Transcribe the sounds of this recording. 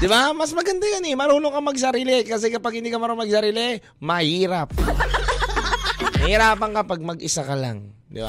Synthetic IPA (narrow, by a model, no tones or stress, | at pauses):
d̪ɪbamɐsmɐɡɐnd̪ajanɛmɐɾuːnokɐmɐɡs̬ɐɾiːlɪkɐs̬ɛkɐpaɡ̚hɪnd̪ikɐmɐɾonmɐɡ̚sɐɾiːlɪ | mɐhiːɾɐp̚ | mɐhɪɾaːpɐŋkɐpɐɡ̚mɐɡʔɪsakɐla̰ŋd̪ɪ̰ba̰